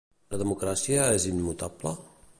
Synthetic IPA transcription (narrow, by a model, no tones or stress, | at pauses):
ləðəmukɾasiaɛzinmut̪ablə